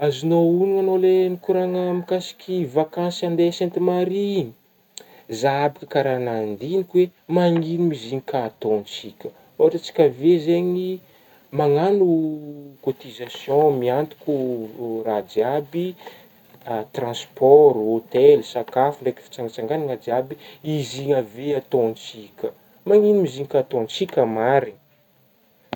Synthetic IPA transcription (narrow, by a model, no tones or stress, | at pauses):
azinouniŋanolenikuɾaŋəmikasi̥kʲʰivakãnsand̪esɛ̃nt̪imaɾi | zaabakəkaɾanand̪inikʲwemaŋinumiziɲikʰat̪ont͡sikʲə | oaʈ͡ʂət͡si̥kʲavezeɲi | maŋanukot̪izasjɔ̃miant̪u̥kʲuradiabi | at̪rɑ̃spɔɾot̪ɛlsakafunɖ͡ʐajki̥fi̥t͡saŋɡat͡saŋɡanaŋad̪iabiiziɲəveat̪õnt͡sikʲə | maŋinimiziŋikʲat̪ont͡sikʲəmaɾin